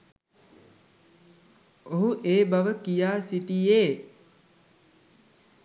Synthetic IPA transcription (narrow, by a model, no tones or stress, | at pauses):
oɦuʔeːbaʋəkijaːsiʈijeː